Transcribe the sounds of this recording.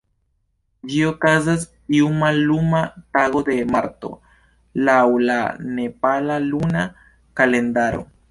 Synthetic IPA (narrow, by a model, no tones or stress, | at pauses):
d͡ʒio̞kazas̬ | iumalːumataɡo̞de̞maɾto̞̰ | lawla̰ne̞palaluna | kale̞ndaɾo̞̰